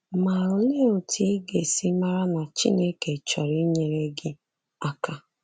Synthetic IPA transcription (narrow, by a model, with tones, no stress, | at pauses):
ma˨ɾʊ˨le˦o˨tʰi˦ɡe˨si˦ma˦ɾa˦na˨t͡ʃḭ˦ne˦ke˨t͡ʃɔ˨ɾi˦ɲe˨ɾe˦ɡɪ˦ | a˦ka˦